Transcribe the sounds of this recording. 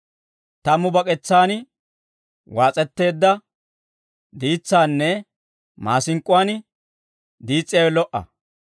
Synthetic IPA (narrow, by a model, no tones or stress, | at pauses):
t̪ɐmʊbɐkʼɛt͡sːaːn | waːt͡sʼɛt̪ːe̞ːd̪ːɐ | d̪iːt͡sːaːnːɛ | maːsɪŋkʼʊwaːnɪ | d̪iːt͡sʼːɪjɐwɛlɔʔɐ̰